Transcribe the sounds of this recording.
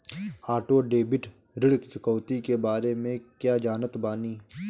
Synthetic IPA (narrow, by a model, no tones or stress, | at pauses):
aːʈoːɖeːbɪʈ | ɾɪɽkt͡ʃɪkəːt̪ikebaːɾemẽkjaːd͡ʒaːnət̪baːniː